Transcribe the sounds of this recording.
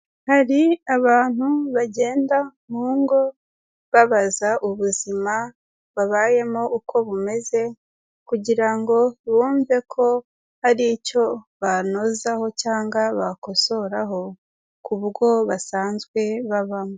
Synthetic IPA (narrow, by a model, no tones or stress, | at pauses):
haɾiaβaːn̥huβaɟe̞ːndamuːŋɡo̞ | βaβazaʔuβuzima | βaβaːje̞moʔukʰo̞βume̞ze̞ | kuɟiɾaŋɡo̞βuːɱve̞kʰo̞ | haɾico̞βano̞zaho̞caːŋɡaβako̞so̞ɾaɦo̞ | kuβuɾɡo̞βasaːnzɡwe̞βaβamo